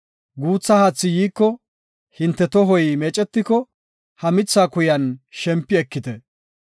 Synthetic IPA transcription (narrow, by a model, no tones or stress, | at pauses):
ɡuːt͡sːɐhaːt͡sːɪjiːkːɔ | hɪnt̪ːɛt̪ɔɦɔjmeːt͡ʃʼɛt̪ːɪkɔ | hɐmɪt͡sːaːkʊjɐnʃɛmpːɪɛkːɪt̪ɛ